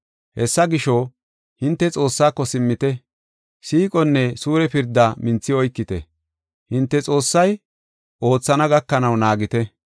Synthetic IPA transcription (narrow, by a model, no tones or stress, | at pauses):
hɛsːɐɡɪʃo | hɪnt̪ːɛt͡sʼo̞ːsːaːkːɔsɪmːɪt̪ɛ | siːkʼɔnːɛsuːɾɛpɪɾd̪ːamɪnt͡sːɪɔjkːɪt̪ɛ̰ | hɪnt̪ːɛt͡sʼo̞ːsːɐj | ʔo̞ːt͡sːɐnɐɡɐkːɐnɐwnaːɡɪt̪ɛ